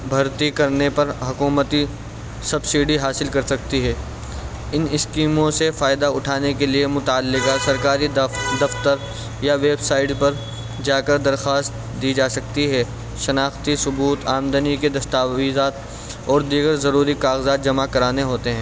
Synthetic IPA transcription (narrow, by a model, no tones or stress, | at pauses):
bʱɐɾt̪ikɐɾnepɐɾɦʊkuːmət̪i | sɐbsiːɖiɦaːsɪlkɐɾsɐk̚t̪iɦɛː | ɪnɪskiːmõsefaːɪd̪aʊʈʰaːnekeliemʊt̪aːlːɪkasɐɾkaːɾid̪ɐft̪əɾ | jaʋeːbsaːɪʈpɐɾ | d͡ʒaːkɐɾd̪ɐɾxaːst̪ | d̪iːd͡ʒaːsɐkt̪iɦɛ | ʃɐnaːxt̪isʊbuːt̪aːmd̪əniked̪ɐst̪aːʋiːzaːt̪ | ɔːɾd̪iːɡəɾzɐɾuːɾikaːɣzaːt̪̚d͡ʒɐmakɐɾaːneɦoːt̪eɦɛ̃ː